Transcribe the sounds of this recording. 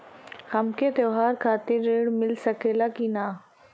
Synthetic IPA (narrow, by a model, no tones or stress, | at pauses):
hɐmkʰet̪oːɦaːɾkʰaːt̪ɪɾeːɽmɪlsɐkelakinaː